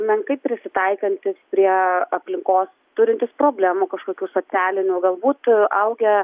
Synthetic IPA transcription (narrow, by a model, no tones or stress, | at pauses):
mʲɛnkɐɪp̚pʲːɾʲɪsʲɪt̪ɐɪkɐnʲt̪ʲɪspʲɾʲiɛɐpʲlʲɪŋkoːs | t̪ʊɾʲɪnʲt̪ʲɪspɾoːbʲlʲæːmuːkɐʃkoːkʲuːsoːt͡s̪ʲæːlʲɪnʲuːɡɐlˠbuːt̪ʔɐʊɡʲɛ